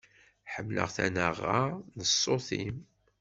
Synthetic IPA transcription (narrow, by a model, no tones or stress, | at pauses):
ħəmːlə̰ʁθænəʁːanəsˤːoθim